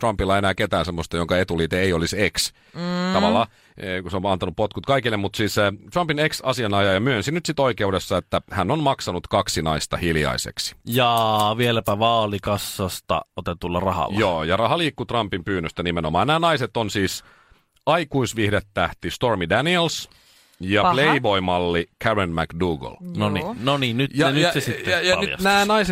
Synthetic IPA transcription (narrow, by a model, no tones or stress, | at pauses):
t̪rɑmpilːɑenæːket̪æːnsemːost̪ɑjoŋkɑet̪uliːt̪eeioliseks | t̪ɑʋɑlːɑː | kuseomɑnt̪ɑnuppot̪kut̪kɑikilːemmut̪siːsset̪rɑmpineksɑsiɑnɑjɑjɑmyøensinyt̪sit̪oikeudesːɑet̪ːæhænːonmɑksɑnut̪kɑksinɑist̪ɑhiljɑ̰isḛksi̥jɑʋielæpæʋɑːlikɑsːɑst̪ɑ̰ot̪et̪ulːɑrɑhɑ̰lːɑjoːjɑrɑhɑliːkːut̪rɑmpimpyːnːøst̪ænimenomɑ̰ːnæːnɑiset̪onsiːs | ɑikuisʋihdet̪ːæht̪ist̪ormidæniels | jɑpleibo̞imɑlːikʰæɹenmækduːɡo̰lnonḭnoniːnnytjɑnysesiteɑjɑ̰næːnɑise